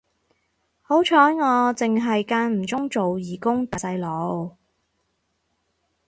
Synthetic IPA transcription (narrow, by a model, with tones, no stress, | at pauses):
ho˨˥wt͡ʃʰɔː˨˥jŋɔː˨˧t͡sɪ˨ŋɦɐ˨jkaː˧nm̩˨˩t͡sʊ˥ŋt͡so˨wjiː˨˩kʊ˥ŋt̪ɐ˨t͡sɐ˧jlo˨˥w